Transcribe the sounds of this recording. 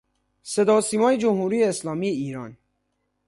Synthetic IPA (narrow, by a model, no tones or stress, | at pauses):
se̞d̪ɒːsiːmɒːjed͡ʒomhuːɾiːjeːslɒːmiːjeiːɾɒːn